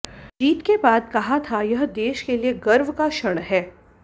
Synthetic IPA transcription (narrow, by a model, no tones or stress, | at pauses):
d͡ʒiːt̪kebaːd̪kɐɦat̪ʰajɐɦd̪eːʃkelieɡɐɾʋkaʃɐɽ̃ɦɛː